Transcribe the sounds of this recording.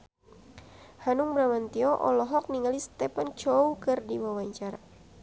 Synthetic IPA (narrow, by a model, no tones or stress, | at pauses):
hanuŋbɾamant̪iɔʔɔ̰lɔɦɔk̚niŋalist̪ɛpant͡ʃoukɨrdiwawaɲt͡ʃaɾa